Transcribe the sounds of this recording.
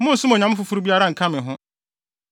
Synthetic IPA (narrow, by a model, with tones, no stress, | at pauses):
mʊ̃˦n̩˨sʊ˦mo˨ɲã˨m˦fu˦fu˦ɾu˦bi˦a˦ɾa˦ŋ̩˨kʰã˦mɪ̃˨ɦʊ̃˦